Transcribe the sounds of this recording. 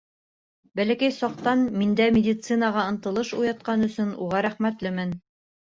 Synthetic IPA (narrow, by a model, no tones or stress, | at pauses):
bælækæjsɒq̚t̪ɑnmind̪æmʲɪdʲit̪sɨnɑʁɑɤ̆nt̪ɤ̆lˠɤʃṵjɑt̪̚qɑnɵ̆sɵnṵʁɑɾæχmæt̪lɘmɘn